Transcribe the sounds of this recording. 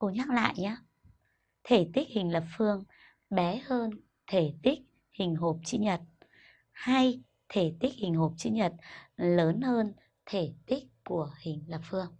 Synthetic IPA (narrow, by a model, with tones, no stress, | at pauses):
ko˧˩ɲaː˦˥k̚la̰ː˧˨jɲaː˨˧ | t̪ʰe˧˩t̪i˦˥k̟̚hï˨˩ŋ̟lə˨˩p̚fɨ˧əŋ | ɓɛ˨˦həː˧n | t̪ʰe˧˩t̪ï˦˥k̟̚ | hï˨˩ŋ̟ɦo˨˩p̚t͡ɕi˧ɲə˨˩t̚ | ha˧j | t̪ʰe˧˩t̪i˦˥k̟̚hï˨˩ŋ̟ho˨˩p̚t͡ɕi˧ɲə˨˩t̚ləː˨˦nhəː˧n | t̪ʰe˧˩t̪i˦˥k̚ku˧˩əhï˨˩ŋ̟lə˨˩p̚fɨ˧əŋ